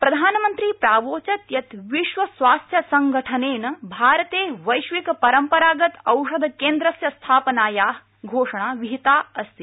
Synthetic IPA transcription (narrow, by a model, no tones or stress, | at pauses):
pɾɐd̪ʱaːnmənt̪ɾiːpɾaːʋoːt͡ʃɐt̪jɐt̪ʋiʃʋɐsʋaːst̪ʰjɐsɐŋɡʱəʈʰəneːnbʱaːɾt̪eːʋɐjʃʋikpɐɾəmpɐɾaːɡɐt̪ɐwʂɐd̪ʱkeːnd̪ɾɐsjɐst̪ʰaːpənaːjaː | ɡʱoːʂɐɳ̃aːʋiɦit̪aːəst̪i